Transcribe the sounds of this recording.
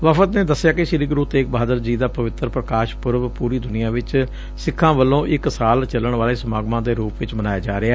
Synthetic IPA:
ʋəfət̪neːd̪əsːɪjaːkɪʃɪɾiːɡɾuːt̪eːk̚baːd̪əɾd͡ʒiːd̪aːpəʋɪt̪ɾpɾəkaːʃpʊɾʋpuːɾiːd̪ʊnɪjãːʋɪt͡ʃ | sɪkʰːãːʋəlːõːʔɪksaːlt͡ʃələɳʋaːleːsəmaːɡmãːd̪eːɾuːpʋɪt͡ʃmənaːjaːd͡ʒaːɾɪaɛː

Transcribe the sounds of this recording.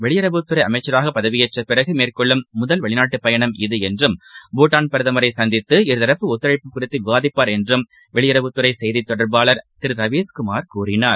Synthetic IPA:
ʋɛɭɪjɐɾɐʋɯt̪ːɯɾɐɪɐmɐɪt͡ʃːɐɾaːɣɐpɐðɐʋɪjɐʈrɐpɪrɐɣɯmeːrkɔɭːɯmːʊðɐlʋɛɭɪnaːʈːɯpːɐjɐɳɐmɪðɯɛndrɯmbuːʈːaːnpɐɾɯðɐmɐɾɐɪsɐnd̪ɪt̪ːɯɪɾɯðɐɾɐpːɯʊt̪ːɐɾɐɪpːɯkːʊrɪt̪ːɯʋɪʋaːðɪpːaːɾɛndrɯm | ʋɛɭɪjɐɾɐʋɯt̪ːɯɾɐɪsɛjðit̪ːɔɽɐɾbaːɭɐɾt̪ɪɾɾɐʋeːskʊmaːɾkuːrɪnaːɾ

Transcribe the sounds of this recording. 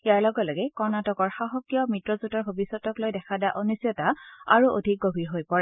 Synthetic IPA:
iaɹlɔɡɔlɔɡɛkɔɹnatɔkɔɹxaɦɔkjɔmitɹɔzutɔɹbʱobisɔtɔklojdɛkʰadaʔonisiɔtaa̰ɹuʔo̰dʱik̚ɡobʱiɹɦojpɔɹɛ

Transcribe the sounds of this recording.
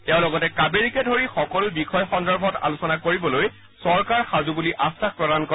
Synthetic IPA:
tɛʊ̃lɔɡɔtɛkabeɹikɛdʱoɹixɔkɔlʊbixʰɔjɔxɔndɔɹbʱɔta̰lusɔnakoɹibɔloj | sɔɹkaɹxazubuliʔasax̚pɹɔdankɔ

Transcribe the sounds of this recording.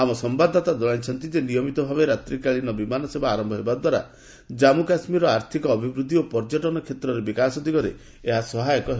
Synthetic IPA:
amɔsɔmbad̪ʱɔt̪ad̪ɔɭajt͡ʃʰɔnt̪id͡ʒenijɔmit̪ɔbʱabeɾat̪ɾikaɭinɔbimanɔsebaːɾɔmbʱɔɦebad̪waɾa̰ | d͡ʒamukasmiɾɔaɾt̪ʰikɔːbʱibɾud̪ʱːiopɔɾd͡ʒɔʈɔnɔkʰet̪ɾɔɾebikasɔd̪ikɔɾe | eɦasɔɦajɔkɔɦe

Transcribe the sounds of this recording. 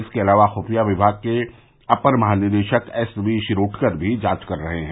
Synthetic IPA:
ɪskeɐlaːʋaxuːfijaʋɪbʱaːɡ̚ke | ɐpəɾmɐɦaːnɪɾd̪eːʃəkɛsʋiʃɪɾoːʈʰkəɾbʱid͡ʒaːt͡ʃkɐɾːɐɦeɦɛ̃

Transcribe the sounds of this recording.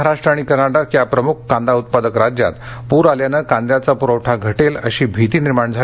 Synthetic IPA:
aɾaʂʈɾaɽ̃ikəɾnaɽakjapɾəmukʰːãnd̪aut̪̚pad̪əkɾad͡ʑja̰t̪puɾaljanəkãnd̪jat͡sapuɾəwʈʰaɡʱəʈeləɕiːbʱit̪iːniɾmaɳd͡zʱa

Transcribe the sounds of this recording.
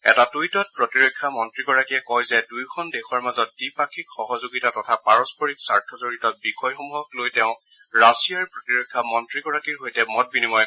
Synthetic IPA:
ɛ̰tatujtɔt̚pɹɔtiɹokʰːamɔntɹiɡɔɹakiɛkɔjzɛdujkʰɔndɛxɔɹmazɔt̚dipakʰikxɔɦɔzoɡitatɔtʰapaɹɔspɔɹiksaɹtʰɔzoɹitɔt̚bixɔjxɔmuɦɔklojtɛʊ̃ | ɹasiaɹpɹɔtiɹokʰːamɔntɹiɡɔɹakiɹɦojtɛmɔt̚binimɔj

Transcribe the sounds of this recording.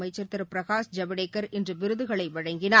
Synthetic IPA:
ɐɪt͡ʃːɐɾt̪ːɐɾpɪɾɐɣaːsd͡ʒɐʋɐɽeːkːɐɾʔɪndrɯʋɪɾɯðɯɣɐɭɐɪʋɐɻɐŋɡɪnaː

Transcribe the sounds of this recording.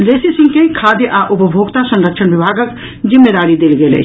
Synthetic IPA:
leːsisɪ̃ŋkeikʰaːd̪jəʔaːʔʊpəbʱoːɡt̪asɐ̃nɾəkʃʰənʋɪbʱaːɡək | zɪmːeːd̪aːɾid̪elɡelḛ

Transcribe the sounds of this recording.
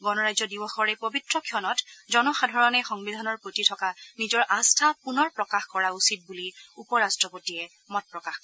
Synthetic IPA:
ɡɔnɔɹajzɔdibɔxɔɹɛpobitɹɔkʰjɔnɔtzɔnɔxadʱɔɹɔnɛxɔŋbidʱanɔɹpɹotitʰɔkanizɔɹʔastʰapunɔɹpɹɔkaxkɔɹausit̚buliupɔɹastɹɔpotiɛ | mɔt̚pɹɔkaxkɔ

